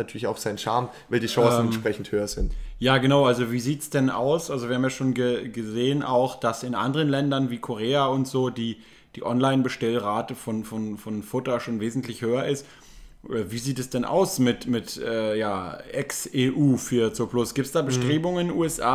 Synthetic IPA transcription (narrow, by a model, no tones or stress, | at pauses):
natʰyːɐlɪçaʊfz̥aɪnʃa̰ɐm | vaɪldiːʃɔ̃sn̩ɛnʃpʁ̥ɛçn̩thøːɐzɪntjaːɡənaʊʔalzoviːziːtsd̥ɛna̰ʊsʔalzoviːɐhaːmjaːʃoːnɡəɡəzeːənʔa̰ʊxd̥asɪnʔa̰ndəʁ̞ənlɛndɐnviːkʰoʁ̞eːaʊntz̥oːdiː | d̥iːʔɔnlaɪnbəʃtɛlʁaːtəfɔnfɔnfɔnfʊtɐʃoːnveːzn̩tlɪçhøːɐʔɪst | ʔviːziːtɛsd̥ɛnʔa̰ʊsmɪtmɪtʔɛːjaːʔɛkseːʔuːfyːɐt͡soplʊsɡ̥iːp̚tsd̥aːbəʃtʁ̥eːbʊŋənɪnʔuːɛsʔa̰ː